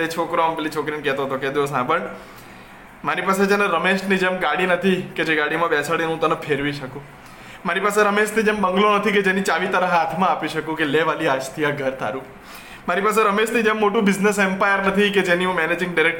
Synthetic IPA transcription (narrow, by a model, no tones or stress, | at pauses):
et͡ʃʰokɾoəmbelit͡ʃʰokɾinkɛɦt̪oət̪oked̪iʋos̬ãbəɳ | maɾipased͡ʒenẽɾəmeʃʈnid͡ʒemɡaɽinət̪ʰiked͡ʒeɡaɽimãbɛt͡ʃʰaɽinũt̪anẽpʰeɾʋiʃəkũ | maɾipaseɾəmeʃt̪id͡ʒembəŋɡlonət̪ʰiked͡ʒenit͡ʃaʋit̪əɾəɦat̪ʰmãːpiʃəkũkeleʋaliad͡ʒt̪ʰiaɡʱəɾt̪ʰa̰ɾu | maɾipaseɾəmeʃt̪ʰid͡ʒemːoʈũbɪd͡ʒnesɛmpajəɾnət̪ʰiked͡ʒeniũmɛned͡ʒɪ̃ŋɡɖiɾek̚